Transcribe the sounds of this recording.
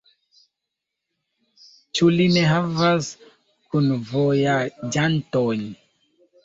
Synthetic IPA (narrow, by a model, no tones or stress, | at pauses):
t͡ʃulineɦavas | kunvojad͡ʒantoɲ